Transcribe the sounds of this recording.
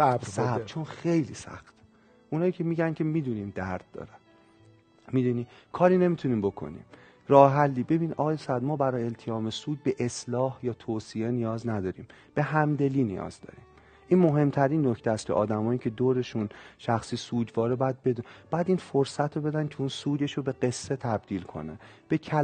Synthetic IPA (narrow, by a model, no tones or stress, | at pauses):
sæbt͡ʃʰonxe̞jlḭːsæ̰xt̪ | ʔunhɒːjiːcʰe̞miːɟænkʲcʰe̞miːd̪unimd̪æɾd̪̥̚ːɒ̰ːɾæn | miːd̪uniːkʰɒːɾiːne̞miːt̪ʰuniːmbo̞kʰo̞̰nḭm | ɾɒːhɦælːiːbe̞biniɒ̰ːɣɒːjesæd̪̚mɒːbæɾɒːjeelt̪ʰejɒːme̞suːd̪̚be̞ʔeslɒːhjɒːt̪ʰoːsie̞nijɒːznæd̪ɒːɾḭːm | b̥e̞ɦæmd̪e̞liːnḭjɒ̰ːz̥d̪ɒ̰ɾiːm | ʔiːnmoɦe̞mt̪ʰæɾiːnːocʰt̪ʰææst̪̚cʰeʔɒːd̪æmɒːiːcʰe̞d̪oːɾe̞ʃunʃæxsiːsuːd͡ʒ̪vɒːɾebɒːjæd̪̚be̞d̪ub̥jæd̪iːnfoɾsæt̪ʰɾobe̞d̪æncʰeunsuːd̪e̞ʃobe̞ɡe̞sːe̞t̪ʰæb̚d̪̥iːlkʰo̞̰nḛn | b̥e̞cʰæ